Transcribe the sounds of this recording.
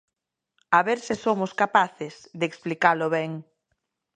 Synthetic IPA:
aβeɾsɪsomʊskapaθɪzðeːksplikalʊβɛŋ

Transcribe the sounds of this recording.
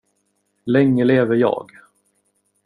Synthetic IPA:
lɛŋːəleːvəɾjɑ̰ːɡ

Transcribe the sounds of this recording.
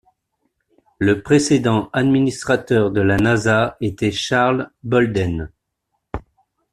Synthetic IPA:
ləpχesed̪ɑ̃ad̪minist̪χat̪œʁd̪əlanazaet̪ɛʃaʁlbɔld̪ɛn

